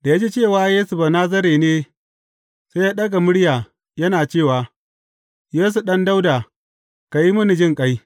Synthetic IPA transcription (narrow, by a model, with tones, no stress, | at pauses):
d̥a˨ja˦d͡ʒi˦t͡ʃeː˦˨waː˦jeː˦su˨ba˨naː˦s̬ɐ˦ɾeː˨neː˦ | sa˦jaː˦ɗɐ˦ɡa˨mʊ˦ɽjaː˨ | jɐ˦naː˨t͡ʃeː˦˨waː˨ | jeː˦s̬u˨ɗɐ˦nda˦wdaː˨ | ka˨ji˦mʊ˦ni˨d͡ʒɪ˦˨ŋkʼa˦j